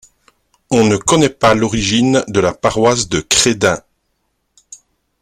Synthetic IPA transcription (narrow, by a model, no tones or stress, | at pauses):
ɔ̃nəkɔnɛpalɔʁiʒind̪əlapaʁwas̬d̪əkχed̪ɛ̃